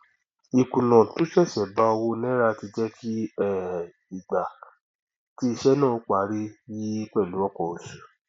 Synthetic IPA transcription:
i˨kũ˨nã˨to˨˦ʃɛ˦˨ʃɛ˨ba˧˦o˧wo˧nɛ̃˦ɾa˧ti˧d͡ʒɛ˦kʰi˦ɛ˦˨ | i˨ɡ͡ba˨ | ti˦i˧ʃɛ˦nãː˦˨o˨˦k͡pa˨˦ɾi˦ji˦k͡pɛ˦˨lu˨˦ɔ˦˨kɔ˨o˨su̥˨

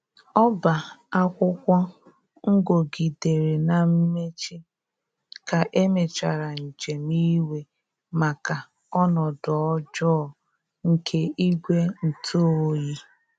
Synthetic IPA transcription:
ɔ˦ba˨a˦kʷʊ˦kʷɔ˦ | ŋ̩˦ɡo˨ɡi˨de˨ɾe˨na˨m̩˦me˦t͡ʃi˦ | ka˨ʔe˦me˨t͡ʃa˨ɾa˨n̩˨d͡ʒe˨mi˦we˨ | ma˨ka˨ | ɔ˦nɔ˨dɔ˨ɔ˦d͡ʒɔ˦˨ | ŋ̩˨kʰe˦i˦ɡʷe˦n̩˨tʰo˦o˦ji˦

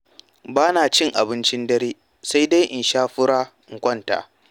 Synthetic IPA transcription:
baː˦naː˨t͡ʃɪ˦˨ŋʔa˨bɪ˦nt͡ʃɪ˦ndɐ˦ɽeː˦ | sa˦jda˦jʔɪ˨nʃaː˦ɸʊ˦ɽaː˦˨ŋ̩˨kʷɔ˦nta̰ː˨

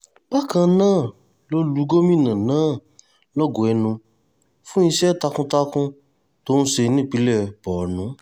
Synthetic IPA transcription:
k͡pa˦kã˧nãː˦˨ | lo˦lu˨˦ɡo˦mĩ˦˨nã˨nãː˦˨ | lɔ˦˨ɡũ˨ɛ˧nũ˧ | fũ˦ĩ˧ʃɛ˦˨ta˧kũ˦ta˦kũ˦ | to˦nũ˦ʃe˧nĩ˦˨k͡pi˨˦lɛ˦˨bɔ˨nũ˨˦

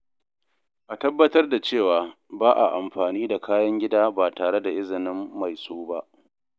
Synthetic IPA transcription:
ʔa˨tɐ˦bːɐ˦tɐ˦rda˨t͡ʃeː˦˨waː˨ | baː˦ʔa̰˨ʔa˨mɸaː˨niː˦da˨kʰaː˦jɐ˦ŋɡʲɪ˦daː˦baː˨taː˨ɽe˦da˨ʔɪ˦zɪ˨nɪ˦mːa˨jsoː˦ba˦ʔ

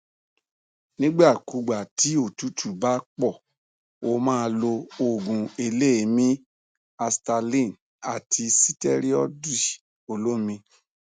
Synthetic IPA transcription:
nĩ˦ɡ͡ba˦˨ku˨˦ɡ͡ba˨ti˨˦o˦˨tu˨˦tʰu˦˨ba˦k͡pɔ˦˨ | o˧mãː˦˧lo˧o˨ɡũ˨e˧le˦˨˦mĩ˦ | a˧sta˧lĩ˦˨n | a˨tʰi˧si˦tɛ˦ɾi˦ɔ̰˦di˦˨ | o˧lo˦mĩ˧

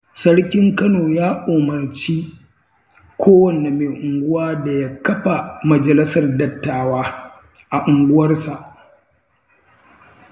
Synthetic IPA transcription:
sɐ˦ɽkʲɪ˦ŋkɐ˦noː˨jaː˦ʔoː˨mɐ˨rt͡ʃiː˦ | kʷoː˦wɐ˨nːe˨me˨ʔʊ˨ŋɡʷʊ˦waː˦da˨ja˦kɐ˦ɸa˨mɐ˨d͡ʒɐ˨lɪ˦sɐ˨rdɐ˨tːaː˨waː˦ | ʔa˨ʔʊ˨ŋɡʷʊ˦wɐ˦rsa˨ʔ

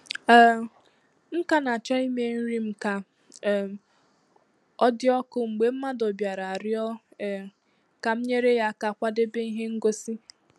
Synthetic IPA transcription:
m̩˦ka˨na˨t͡ʃa˦i˦me˦n̩˦ɾi˦m̩˦ka˨ | ɔ˦dɪ˦ɔ˦kʊ˦ŋ͡m̩˨ɡ͡be˨m̩˦ma˦dɔ˨bja˨ɾa˨a˨ɾɪ˦ɔ˦˨ | ka˨m̩˦ɲe˦ɾe˦ja˦˨ka˨kʷa˦de˦be˦i˦ɦe˦ŋ̩˦ɡo˦si˦

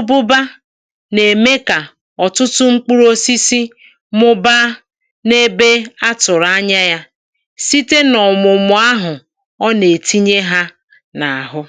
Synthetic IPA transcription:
o˦bʊ˦ba˦ | ne˨me˦ka˨ | ɔ˨tʊ˦tʊ˦ŋ͡m̩˦k͡pu˦ɾo˦si˦si˦ | mʊ˦ba˦ | ne˦be˦a˦tʊ˨ɾa˦ɲa˦ja˦ | si˦te˦nɔ˨mʊ˨mʊ˨˦a˦ɦʊ˨ | ɔ˦ne˨ti˦ɲe˦ɦa˦ | na˨a˨ɦʊ˦

